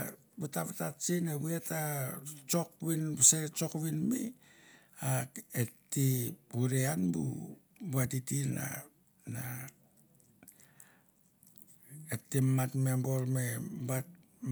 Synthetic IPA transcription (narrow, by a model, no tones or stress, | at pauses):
butaβatat͡ʃineβietat͡ʃo̞kβinset͡ʃo̞kβinmḭ | aetːihuɾeanbṵ | batitina̰ | na | etːimatmembo̞lmeba